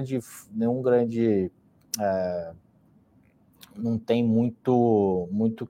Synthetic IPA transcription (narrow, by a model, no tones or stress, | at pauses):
d͡ʒɪfnẽj̃ũɡɾɐ̃d͡ʒɪ | ɛ | nɐ̃w̃t̪ẽj̃mũj̃t̪ʊmũj̃t̪ʊ